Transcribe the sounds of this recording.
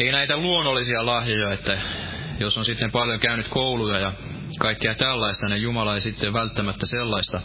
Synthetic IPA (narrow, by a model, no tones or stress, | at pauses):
einæit̪æluonːolːˑisiɑlɑhjojɑet̪ːæ | josonsit̪ːempɑljokæynyt̪koulujɑjɑ | kɑikːeɑt̪ælːɑist̪ɑnejjumɑlɑeisit̪ːeʋælt̪ːæmæt̪ːæselːɑist̪ɑ